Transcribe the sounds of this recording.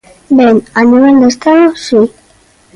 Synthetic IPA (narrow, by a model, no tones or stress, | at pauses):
benaniβeld̪est̪aðosi